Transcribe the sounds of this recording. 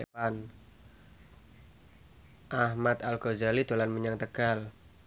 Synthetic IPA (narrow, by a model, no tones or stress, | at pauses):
an | ʔahmat̪alkozalit̪olanməɲaŋt̪əɡal